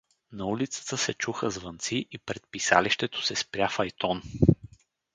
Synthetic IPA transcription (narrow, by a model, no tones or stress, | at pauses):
nɐulit̪sə̥t̪əsɛt͡ʃuxəzvɐnt̪siʔipɾɛt̪̚pisa̰liʃt̪ɛt̪o̥sɛspɾʲjafɐjt̪ɔn